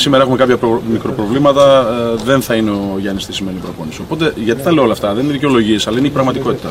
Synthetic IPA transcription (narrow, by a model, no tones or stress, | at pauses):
simeɾɐexume̞kɐpçɐpomikɾo̞pɾo̞vlimɐt̪ɐðe̞nθɐineoʝɐnist̪isime̞nipɾopo̞nisio̞po̞t̪e̞ʝɐt̪i̥t̪ɐle̞oolɐft̪ɐðenineðice̞o̞lo̞ʝie̞sɐlɐineipɾɐɣmɐt̪iko̞t̪i̥t̪ɐ